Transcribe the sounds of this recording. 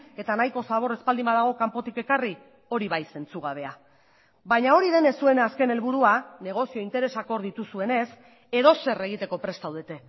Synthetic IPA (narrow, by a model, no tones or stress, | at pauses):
e̞t̪anajko̞saβ̞o̞ɾe̞spald̪imað̞aɣ̞o̞kampo̞t̪ike̞kari | o̞ɾiβajse̞nt͡suɣ̞aβ̞e̞a | βajɲao̞ɾiðe̞ne̞sue̞naaske̞ne̞lβuɾuane̞ɣ̞o̞sio̞int̪e̞ɾe̞sako̞ɾðit̪usue̞ne̞s | e̞ðo̞se̞re̞ɣ̞it̪e̞ko̞pɾe̞st̪awðe̞t̪e̞